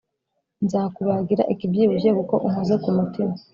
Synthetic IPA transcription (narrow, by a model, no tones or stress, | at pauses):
nzaːkuβaɡiɾa̰ʔikibjiːβuʒeβuko̞ʔumuzekumutima